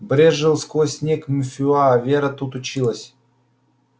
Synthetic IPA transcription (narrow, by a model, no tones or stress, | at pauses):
bɾʲeʐɨlˠskojsʲnʲekmʊfʲɪaːvʲeɾət̪ut̪ʊt͡ɕilˠəsʲ